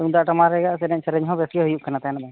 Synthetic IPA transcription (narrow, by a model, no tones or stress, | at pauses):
uŋd̪aʔʈɔmaɾɛɡaʔsɛɗɛɲsɾɛɲɦɔ̃bɛsɡɛɦujuʔ̚kʰanat̪aɛnaba